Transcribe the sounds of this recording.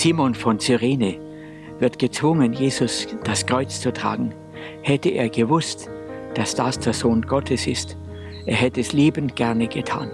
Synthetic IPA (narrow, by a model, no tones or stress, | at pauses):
z̥iːmɔnfɔnt͡syʁeːnə | vɪɐtɡ̥ət͡sv̥ʊŋənjeːzʊsd̥askʁ̥ɔʏt͡st͡sutʁ̥a̰ːɡŋ̩ | hɛtəʔḛːɐɡəvʊstd̥asd̥asd̥eːɐzoːnɡɔtʰəsɪ̰st | ʔeːɐɦɛtəɛsleːbənɡ̥ɛɐnəɡ̥ətʰa̰ːn